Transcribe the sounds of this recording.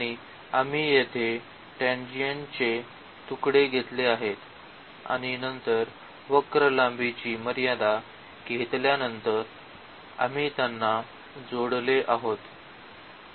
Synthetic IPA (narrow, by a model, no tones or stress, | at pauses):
ɽ̃i | amiːjet̪ʰe | ʈẽnd͡ʑiənt͡ɕe | t̪ukɽeɡʱet̪leaɦet̪ | a̰ɽ̃inənt̪əɾ | ʋəkɾəlãmbit͡ɕiːməɾjad̪a | ɡʱet̪ljanənt̪əɾ | a̰m̤it̪janːa | d͡zoɽleʔaɦot̪